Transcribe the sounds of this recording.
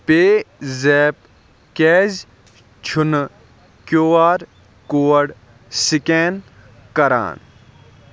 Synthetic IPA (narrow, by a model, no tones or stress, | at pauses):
peːzɛːp | keːz | t͡ʃʰun | kjoːaːɾ | koːɽ | sikeːn | kɐɾa̰ːn